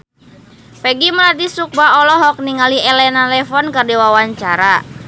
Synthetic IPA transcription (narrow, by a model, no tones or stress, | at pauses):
pɛɡiməlat̪isuk̚baɔlɔɦɔk̚niŋaliɛlɛnalɛfɔnkərdiwawaɲt͡ʃaɾa